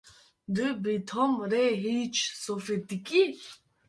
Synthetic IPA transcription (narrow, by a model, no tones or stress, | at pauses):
d̪ɨbit̪ʰɔmɾɛɦiːt͡ʃʰsɔfet̪ikʼi